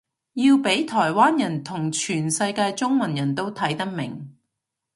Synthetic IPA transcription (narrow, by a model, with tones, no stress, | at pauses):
jiː˧wpe˨˥jt̪ʰɔː˨˩jwaː˥njɐ˨˩nt̪ʰʊ˨˩ŋt͡ʃʰyː˨˩nsɐ˧jkaː˧jt͡sʊ˥ŋmɐ˨˩njɐ˨˩nt̪o˥wt̪ʰɐ˨˥jt̪ɐ˥k̚mɪ̰˨˩ŋ